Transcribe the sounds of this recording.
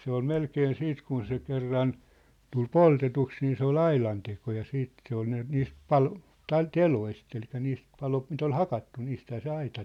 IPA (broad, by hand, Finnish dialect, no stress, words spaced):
se ol melkeːn siːt kun se kerːɑn tul poltetuks niː se ol ɑilɑnteko jɑ siːt se ol ne niːst pɑlo tɑi teloist elikˑæ niːst pɑlost mit ol hɑkɑtːu niːsthæː se ɑitɑ